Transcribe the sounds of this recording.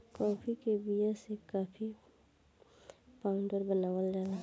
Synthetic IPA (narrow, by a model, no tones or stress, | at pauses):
kɔːpʰikebijasekaːpʰi | paʊɳɖəɾbənaːʋəlɾəɦla